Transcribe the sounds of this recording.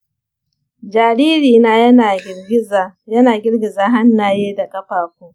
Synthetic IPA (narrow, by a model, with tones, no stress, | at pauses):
d͡ʒaː˨ɽiː˦ɾiː˨na˦jɐ˦na˨˦ɡʲɪ˦zjɐ˦naː˨ɡʲɪ˦ɽɡʲɪ˨zaː˦ɦa˦nːaː˨jeː˦da˨kʼɐ˦ɸaː˨kʷuː˦